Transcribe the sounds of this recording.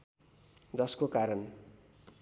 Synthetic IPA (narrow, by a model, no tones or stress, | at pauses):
d͡zʌskokaɾʌn